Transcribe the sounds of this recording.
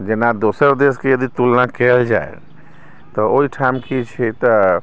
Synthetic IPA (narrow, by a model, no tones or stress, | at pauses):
d͡ʒenad̪osəɾd̪eskejəd̪it̪ulnakɛld͡ʒa̰ḛ | t̪ɔoiʈʰamkit͡ʃʰit̪ɔ